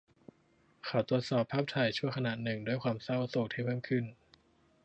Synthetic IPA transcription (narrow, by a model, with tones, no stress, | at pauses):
kʰa˨˩wt̪u˨˩ət̪̚sɔː˨˩pʰːaː˥˩p̚t̪ʰa˨˩jt͡ɕʰu˥˩əjkʰa˧naː˨˩t̪̚nɯ˨˩ŋdu˥˩əjxʰwaː˧msa˥˩wso˨˩k̚t̪ʰiː˥˩pʰɤː˥˩mkʰɯ˥˩n